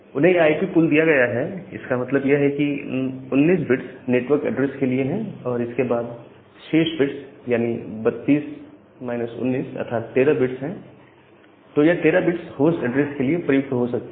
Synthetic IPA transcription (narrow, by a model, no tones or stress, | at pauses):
ʊnɦẽjeaːipipuld̪ijaɡɐjaɦɛɪ̰skamɐt̪ləbjeɦɛkiʊnːiːs̬bɪʈsneːʈʋəɾkɛ̰ɖɾeːskelieɦɛ̃ɔːɾɪskebaːd̪ | t͡ʃʰeːʃbɪʈsjaːnibɐt̪ːiːs | maːɪnəsʊ̰̃nːiːsɐ̰t̪ʰaːt̪ːeːɾabɪʈsɦɛ̃ | t̪ojat̪eːɾabɪʈshoːsʈɛɖɾeːskeliepɾɐjʊk̚t̪ɦosɐk̚t̪e